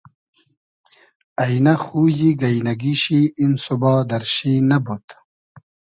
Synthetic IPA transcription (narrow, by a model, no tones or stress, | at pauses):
ɐjnɐxuːjiɡɐjnɐɡiɕiːmsubɑːd̪ɐɾɕiːnɐbut̪